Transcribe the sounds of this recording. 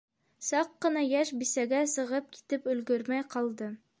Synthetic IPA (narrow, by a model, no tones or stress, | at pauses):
sɑqːɤ̆nɑjæʃbisæɡæsɤ̆ʁɤp̚ki̥t̪ɘpɵ̆lɡɵ̆ɾmæjqɑlˠd̪ɤ